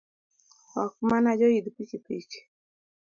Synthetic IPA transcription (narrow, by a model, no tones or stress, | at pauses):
hɔkmanad͡ʒɔjid̪pit͡ʃipḭt͡ʃi̥